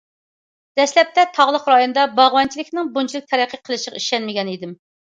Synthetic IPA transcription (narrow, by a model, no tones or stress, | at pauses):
d̪̥ɛslɛp̚t̪ʰɛt̪ʰɑʁlˠəqɾɑjonɨd̪ɑbɑʁwɑnt͡ʃʰilɪkʲnɪŋbunt͡ʃʰilɪk̚ʲt̪ʰɛɾɛqʰːəqʰəlˠɨʃəʁɑiʃɛnmɪɡʲɛnid̪ɪm